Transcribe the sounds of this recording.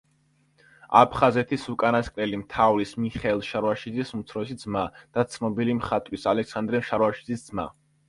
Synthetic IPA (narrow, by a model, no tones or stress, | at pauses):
a̰pʰχazɛt̪ʰisukʼanaskʼnɛlimt̪ʰavlismiχɛlˠʃaɾaʃid̪zisumt̪sʰɾɔsid̪zmad̪̥at̪sʰnɔbilimχat̪ʼwisalɛksand̪ɾɛmʃaɾwaʃi̥d̪zisd̪z̥ma̰